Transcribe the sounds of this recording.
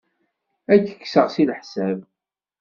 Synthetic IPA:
ækːə̥kːsəʁsilħsæv

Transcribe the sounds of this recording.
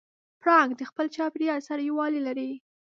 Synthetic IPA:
pɽɑŋɡd̪əxpəlt͡ʃɑpɾjɑɾsaɾajiwɑlilaɾi

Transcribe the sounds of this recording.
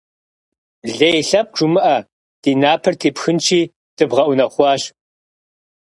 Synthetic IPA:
ɮɐjɬɐp̚ʈ͡ʂʷʊmɨʔɐ | d̥iːnaːpʰɐrtʰeːpxɨnt͡ʃʰiː | d̥ɨbʁɐʔʷʊnɐχʷɑːɕ

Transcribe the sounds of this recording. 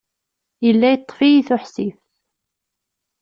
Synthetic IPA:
jəlːæjət̪ˤːfijiθʊħsif

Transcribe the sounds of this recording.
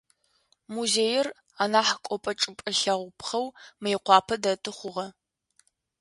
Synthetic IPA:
muzeːjɪr | anaːħkʷʼɔpʼɐʈ͡ʂʼɨpʼɨɬɐʁʷʊpʰχɐwmɨjɪqʷɑːpʰɐdɐtʼɨχʷʊʁɐ

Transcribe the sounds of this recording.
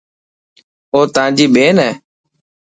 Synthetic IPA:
oːt̪ãːd͡ʒiːɓeːnɛː

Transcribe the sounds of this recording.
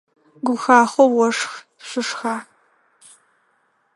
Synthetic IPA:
ɡʷʊxaːχʷɔwɔʂx | ɕʷɪʂxaː

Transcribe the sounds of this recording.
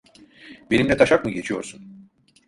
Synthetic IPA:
be̞nimd̪ɛt̪ʰaʃakmɯɟe̞t͡ʃʰijo̞̰ɾsun

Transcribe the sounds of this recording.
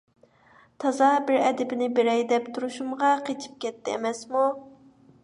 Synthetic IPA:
t̪ʰɑzɑbɪɾɛd̪ɪbɪnɪbeɾɛjd̪ɛpt̪ʰuɾuʃumʁɑqʰet͡ʃʰi̥p̚kʲɛt̪ʰːɪḛmɛsmu

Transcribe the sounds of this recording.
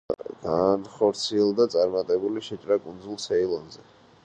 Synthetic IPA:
ɡ̥anχɔɾt̪sʰiɛlˠd̪at̪sʼaɾmat̪ʼɛbuliʃɛt͡ʃʼɾakʼund̪zulˠsɛilˠɔnzɛ

